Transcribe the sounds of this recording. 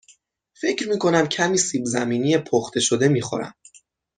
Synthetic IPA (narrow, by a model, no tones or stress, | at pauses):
fe̞cʰɾmiːkʰo̞næmcʰæmiːsiːbzæmiːnijepʰoχt̪ʰe̞ʃod̪e̞miːxo̰ɾæ̰m